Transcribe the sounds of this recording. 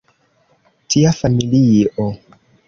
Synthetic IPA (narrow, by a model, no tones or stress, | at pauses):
tiafamiliʔo